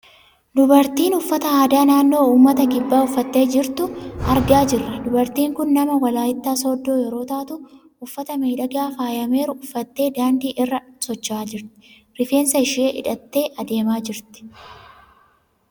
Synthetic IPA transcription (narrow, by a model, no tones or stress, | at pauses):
d̪ʊbɐɾt̪iːnʊfːɐt̪ɐaːd̪aːnaːnːo̞ːuːmːɐt̪ɐɡɪbːaːʊfːɐt̪ːe̞ːd͡ʒɪɾt̪ʊɐɾɡaːd͡ʒɪrːɐd̪ʊbɐɾt̪iːŋkʊnːɐmɐwɐlaːjɪt̪ːaːsɔd̪ːo̞ːjɛɾo̞ːt̪aːt̪ʊ | ʊfːɐt̪ɐmeːᶑɐɡaːfaːjɐme̞ːɾʊʊfːɐt̪ːe̞ːd̪aːnd̪iːʔɪrːɐsɔt͡ʃːaːd͡ʒɪɾt̪ɪ̥ | ɾɪfe̞ːnsɐɪʃeːʔɪ̰ᶑɐt̪ːe̞ːʔɐd̪e̞ːmaːd͡ʒɪɾt̪ɪ̥